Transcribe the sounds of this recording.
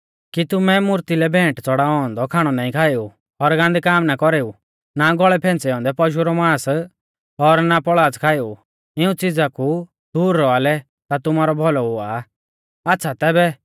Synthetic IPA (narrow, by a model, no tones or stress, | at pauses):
kit̪ʊmɛmʊɾt̪ilɛbʱɛ̃ːʈt͡sɔɽaɔɔ̃nd̪ɔkʰaːɽ̃ɔnaːĩkʰaːɪu | ɔɾɡãnd̪ikaːmnakɔɾeːu | naɡɔɭɛpʰɛ̃ːnt͡sɛɔ̃ːnd̪ɛpɔʃ̬uɾɔmãːs | ɔɾnapɔɭaːt͡skʰaːeu | ɪũt͡sɪd͡zaku | d̪̥uːɾːɔalɛ | t̪at̪ʊmaːɾɔbʱɔlɔɦʊa | atːʃʰat̪ɛːbɛ